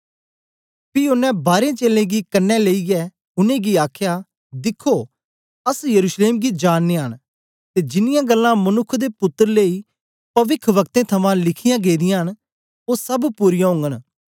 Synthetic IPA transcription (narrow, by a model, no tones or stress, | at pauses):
piʊnːɛ̃baːɾẽt͡ʃeːlẽɡikɐnːɛleːiɡɛː | ʊnẽːɡiaːkʰja | d̪ɪkʰoː | əsjəɾuːʃleːmɡid͡ʒaːnːeɦən | t̪ed͡ʒɪnɪjãɡəlːãmɐnʊkʰd̪epʊt̪ːəɾleiː | pɐʋɪkʰʋɐk̚t̪ẽt̪ʰɐmãlɪkʰɪjãɡeːd̪ɪjãɦən | oːsɐbpuːɾɪjãɦʊ̃ŋɡən